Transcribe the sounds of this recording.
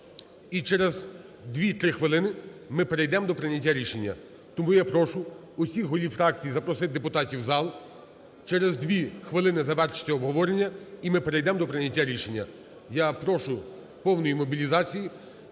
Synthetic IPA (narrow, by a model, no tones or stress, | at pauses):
it͡ʃɛɾez | d̪ʋʲit̪ɾɪxʋɪlˠɪnɪmɪpeɾejd̪ɛmd̪ɔpɾɪnʲɐtʲːaɾʲiʃe̞nʲːɐ̰ | t̪ɔmujapɾɔʃʊ | ʊsʲixɦɔlʲifɾɑk̚t͡sʲijizɐpɾɔsɪt̪̚ʲd̪epʊt̪ɑtʲiwzɑlˠ | t͡ʃɛɾezd̪ʲʋʲixʋɪlˠɪnɪzɐʋɛrʃɪ̥tʲːɐɔbɦɔʋɔɾenʲːɐimɪpeɾejd̪ɛmd̪ɔpɾɪnʲɐtʲːaɾʲiʃe̞nʲːɐ̰ | japɾɔʃʊ | pɔwnɔjimɔbʲilʲizɑt͡sʲiji